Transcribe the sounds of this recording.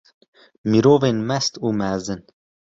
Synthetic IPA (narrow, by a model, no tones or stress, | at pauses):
miɾoːveːnmɛst̪uːmɛzɨn